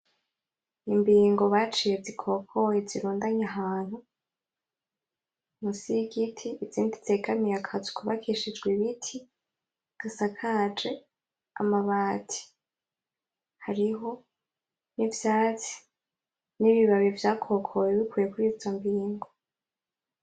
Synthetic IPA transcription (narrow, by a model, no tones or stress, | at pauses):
imbiːŋɡo̞βat͡ʃijezikʰo̞kʰo̞jeziɾuːndaɲaɦaːn̥hu | musiɡitʰiːziːndizeɡamijakʰazikʰuβakʰiʃid͡ʒɡwiβitʰi | ɡ̥asakʰad͡ʒe̞ | a̰maβaːtʰi̥ | haɾiɦo̞ | nivjaːt͡si̥ | niβiβaβivjaːkʰo̞kʰojeβikwiːjekuɾizombiːŋɡo